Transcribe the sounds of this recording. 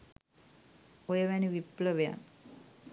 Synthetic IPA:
ojəʋɛniʋipləʋeja̰n

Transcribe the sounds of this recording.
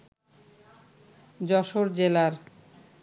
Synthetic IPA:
d͡ʑɔʃoɾd͡ʑelaɾ

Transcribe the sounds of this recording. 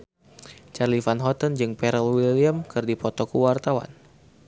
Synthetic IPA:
t͡ʃarlifanɦɔt̪ənd͡ʒɨŋpɛɾəlwiliamkɨrdipɔt̪ɔkuwart̪awa̰n

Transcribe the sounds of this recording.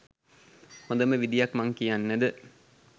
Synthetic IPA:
hõd̪əməʋid̪ijakmaŋkijanːəd̪ə

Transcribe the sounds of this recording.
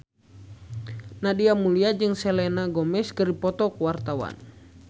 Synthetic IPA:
nadiamuliad͡ʒɨŋsɛlɛnaɡɔmɛskəripɔt̪ɔkuwart̪awa̰n

